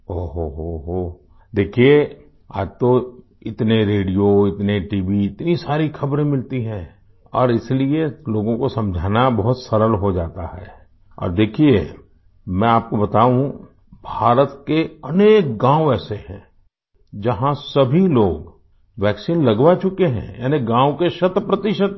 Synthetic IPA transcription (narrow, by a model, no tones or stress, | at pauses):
oːɦoɦoɦo | d̪eːkʰie | a̰ːd͡ʒt̪o | ɪt̪neɾeːɖijoɪt̪neʈiːʋiɪt̪nisaːɾixʰɐbɾẽmɪlt̪iɦɛ̃ː | ɔ̰ːɾɪslieloːɡõkosɐ̃md͡ʒʱaːnabɐɦʊt̪sɐɾəlɦod͡ʒaːt̪aɦɛː | ɔ̰ːɾd̪eːkʰie | mɛ̃aːp̚kobɐt̪aːũ | bʱaːɾət̪keɐneːk̚ɡãːoɛːsehɛ̰̃ː | d͡ʒɐɦãsɐbʱiloːɡ | ʋɛːksiːnlɐɡwat͡ʃʊkeɦɛ̰̃jɛ̰ːneɡãːõkeʃɐt̪pɾɐt̪ɪʃət̪̚